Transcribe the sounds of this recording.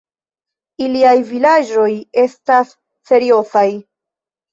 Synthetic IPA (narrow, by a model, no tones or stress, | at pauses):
iliajvilad͡ʒo̞je̞stas | fe̞ɾio̞saj